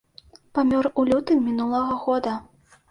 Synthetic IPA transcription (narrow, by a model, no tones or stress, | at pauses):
pamʲɔrulʲut̪ɨmʲinulˠɐɣɐɣɔd̪ɐ